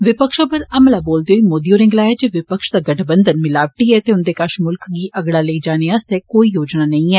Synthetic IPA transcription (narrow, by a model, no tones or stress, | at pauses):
ʋɪpəkʃoːpəɾəmlaːboːld̪eːɦoiːmoːd̪joːɾɪ̃ŋɡlaːɛːd͡ʒeːʋɪpəkʃd̪aːɡəʈʰbənd̪ənmɪlaːʋɪʈiːɛːt̪eːʊnd̪eːkəʃmʊlkɡiːʔəɡlaːleiːd͡ʒaːneːast̪ɛːkoːiːjoːd͡ʒnaːnəĩːɛː